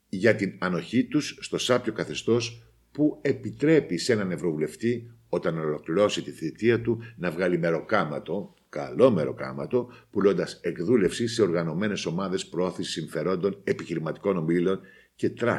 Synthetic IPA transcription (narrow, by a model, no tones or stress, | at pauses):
ʝɐt̪inɐno̞çit̪usːt̪o̞sɐpço̞kɐθe̞st̪o̞s | pue̞pit̪ɾe̞pise̞nɐne̞vɾo̞vule̞ft̪i | o̞t̪ɐnolo̞kliɾo̞sit̪iθit̪iɐt̪unɐvɣɐlime̞ɾo̞kɐmɐt̪o̞ | kɐ̰lo̞me̞ɾo̞̰kɐ̰mɐ̰t̪o̞pulo̞nd̪ɐse̞kðule̞fsise̞o̞ɾɣɐno̞me̞ne̞so̞mɐðe̞spɾooθisi̥siɱfe̞ɾo̞nd̪o̞ne̞piçiɾimɐt̪i̥ko̞no̞milo̞n | ce̞t̪ɾɐ